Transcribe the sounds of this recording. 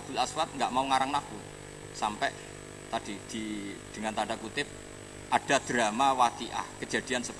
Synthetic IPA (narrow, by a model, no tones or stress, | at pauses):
ab̥ṳlaswat̪̚ŋɡaʔmauŋaɾaŋnaku | sampɛʔ | t̪ad̥id̪̥id̪̥ə̤ŋant̪aɳɖakut̪ɪp̚ | ʔaɖ̥a̤d̪̥ɾa̤mawat̪iʔa̰hkəd͡ʒ̥a̤d̥i̤ansəb